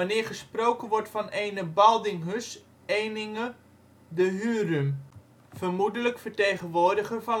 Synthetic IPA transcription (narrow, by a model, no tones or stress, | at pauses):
anɪːrχəsprowkənʋɔɹtfɑnejnəbɑlˠdɪŋɦəs | ejnɪŋə | dəɦyːrym | fərmudələkfəɹtejχənʋoːɹdəχərvɑn